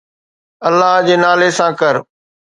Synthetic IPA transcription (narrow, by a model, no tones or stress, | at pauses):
ɐlːaɦd͡ʑeːnaːlesãkɐɾ